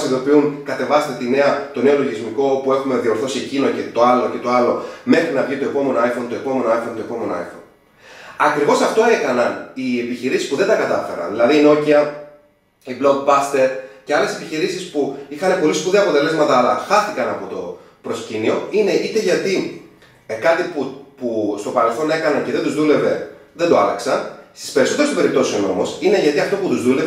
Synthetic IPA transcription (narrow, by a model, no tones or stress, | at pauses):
siðo̞piunkɐt̪e̞vɐst̪e̞t̪ine̞ɐt̪o̞ne̞o̞lo̞ʝizmiko̞pue̞xume̞ðio̞ɾθo̞sie̞cino̞ce̞t̪o̞ɐlo̞ce̞t̪oɐlo̞me̞xɾinɐvʝit̪o̞e̞po̞me̞noajfo̞nt̪oe̞po̞me̞noajfont̪o̞epo̞me̞noɐ̰jfo̞̰n | ɐkɾivo̞sɐft̪o̞ekɐnɐnie̞piçiɾisi̥spuðed̪ɐkɐt̪ɐfe̞̰ɾɐ̰nðilɐðiːno̞ciɐ | ibloɡbɐst̪e̞ɾce̞ɐlese̞piçiɾisispuixɐne̞po̞liskuðiɐpo̞t̪e̞le̞zmɐt̪ɐːlɐxɐθikɐnɐpo̞t̪o̞ | pɾo̞scinio̞̰ine̞ʔit̪e̞ʝɐt̪i | kɐt̪ipupust̪o̞pɐɾe̞lθo̞ne̞kɐnɐnceðed̪uzðule̞ve̞ðend̪o̞ɐlɐ̰ksɐnst̪i̥spe̞ɾiso̞t̪eesope̞ɾip̚t̪o̞siono̞̰mosine̞ʝɐt̪iɐft̪o̞put̪uzðule̞v